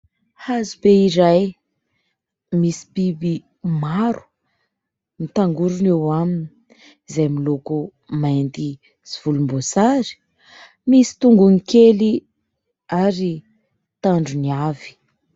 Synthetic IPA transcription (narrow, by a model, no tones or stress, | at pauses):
hazubeiɾaj | misi̥bibi | maɾu̥ | nit̪aŋɡuɾunewamini̥ | zajmiloku | majnd̪i | zivulumbosaɾi̥ | misi̥t̪uŋɡunikeli | aɾi | t̪aɳɖ͡ʐuniavi̥